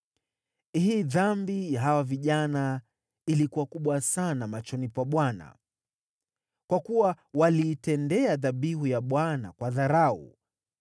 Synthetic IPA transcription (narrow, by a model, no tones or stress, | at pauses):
hiːðambijaɦawaviʄana | ilikuwakuɓwasanamat͡ʃɔnipwaɓwana̰ | kwakuwa | waliːtɛndɛaðaɓiɦujaɓwana̰kwaðaɾaṵ